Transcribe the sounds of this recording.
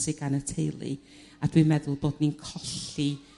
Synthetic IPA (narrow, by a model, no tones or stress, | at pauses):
sɪɡanətʰejlˠḭ | adwimɛðʊlˠboːdninkʰɔɬi